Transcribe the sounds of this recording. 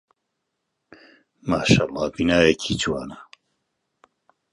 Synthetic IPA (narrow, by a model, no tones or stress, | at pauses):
maːʃaːlˠˤːɑːbinaːjɛkʰiːt͡ʃwaːna